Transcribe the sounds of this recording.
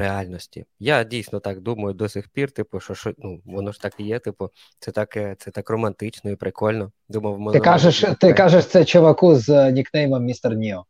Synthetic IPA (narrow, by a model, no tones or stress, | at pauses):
ɾealʲnɔsʲtʲḭjadʲijsʲnɔt̪akd̪umɐjʊd̪ɔsʲixpʲirt̪ɪpʊʃɔʃɔnuʋɔnɔʒ̥t̪akjɛt̪ɪpʊ | t̪sɛt̪akɛt̪sɛt̪akrɔmɐnt̪ɪt͡ʃnɔipɾɪkɔlʲnɔ | d̪umɐwmɛɪkaʒɛʃt̪ɪkaʒɛʃt̪sɛt͡ʃɔʋɐkuznʲiknɛjmɐmʲist̪ɐrnʲiɔ